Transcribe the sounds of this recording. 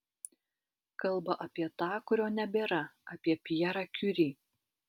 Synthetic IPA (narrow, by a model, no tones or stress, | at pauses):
kɐlˠbɐʔɐpʲiɛt̪ɑːkʊɾʲoːnʲɛbʲeːɾɐɐpʲiɛpʲɪjɛɾɑːkʲʊɾʲiː